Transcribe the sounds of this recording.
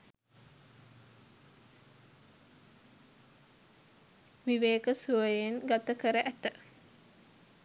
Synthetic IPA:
ʋiʋeːkəsuʋəjenɡat̪əkəɾəʔæt̪ə

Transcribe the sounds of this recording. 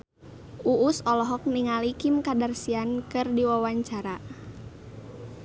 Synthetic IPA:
uʔːsɔlɔɦɔk̚niŋalikimkadarsiankɨrdiwawaɲt͡ʃaɾa

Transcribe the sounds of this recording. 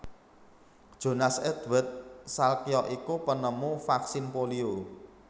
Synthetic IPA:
d̥ʒ̥o̤nasɛd̪wɛt̪̚salkijɔʔikupənəmufaksinpolio

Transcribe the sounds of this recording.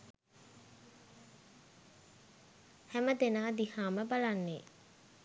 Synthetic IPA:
hæməd̪enaːd̪ihaːməbalanːe

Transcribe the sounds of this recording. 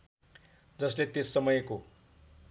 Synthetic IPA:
d͡zʌslet̪esːʌmʌjeko

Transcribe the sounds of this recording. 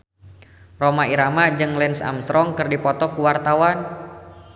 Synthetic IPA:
romaiɾamad͡ʒɨŋlɛnsa̰mst̪ɾɔŋkɨrdipɔt̪ɔkuwart̪awan

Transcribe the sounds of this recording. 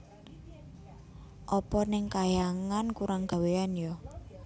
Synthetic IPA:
ʔɔpɔnɪŋkajaŋankuɾaŋɡ̥a̤weanjɔ

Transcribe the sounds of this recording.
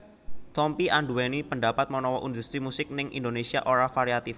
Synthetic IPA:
t̪ɔmpiʔanɖuwenipəɳdapat̪̚mɔnɔwɔʔind̪ust̪ɾimusɪk̚nɪŋʔḭnd̪onesiaʔoɾafaɾiat̪if

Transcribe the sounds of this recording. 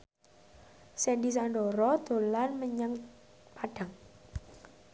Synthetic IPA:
sɛndis̬andoɾɔd̪̥o̤lanməɲaŋ | paɖ̥a̤ŋ

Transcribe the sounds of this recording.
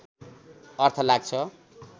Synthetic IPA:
ʌrt̪ʰʌlaɡ̚t͡sʰʌ

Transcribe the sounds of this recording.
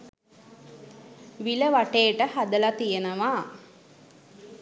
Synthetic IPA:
ʋiləʋaʈeːʈəɦad̪əlat̪ijənəʋaː

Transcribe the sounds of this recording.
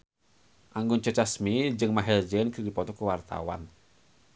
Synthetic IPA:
ʔaŋɡʊnt͡ʃət͡ʃasmid͡ʒɨŋmaɦɛrd͡ʒɛnkɨrdipɔt̪ɔkuwart̪a̰wa̰n

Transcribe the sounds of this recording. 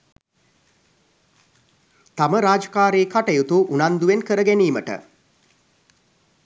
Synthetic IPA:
t̪aməɾaːd͡ʒəkaːɾeːkaʈejut̪uʔunand̪uʋenkəɾəɡæniːməʈə̰

